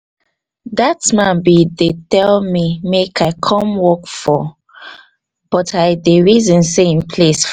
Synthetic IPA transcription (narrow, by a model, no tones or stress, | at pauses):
ðatmãnbidetɛlmimekʰaɪkʰɔ̃mwɔkfɔ | b̥ɔtaɪdəɹizɔ̃nseĩnpʰles